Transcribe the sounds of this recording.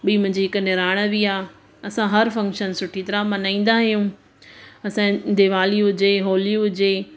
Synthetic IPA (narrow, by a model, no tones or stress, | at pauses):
ɓiːmʊ̃ɦɪ̃ɲd͡ʑiɦɪkənɪɾaːɪɽ̃əbiaː | ɐsãɦɐɾfɐ̃ŋkʃənsʊʈʰit̪ɐɾamãnãːĩːn̆d̪aɦijũ | ɐsãd̪eːʋaːliɦʊd͡ʑeɦoːliɦʊd͡ʑe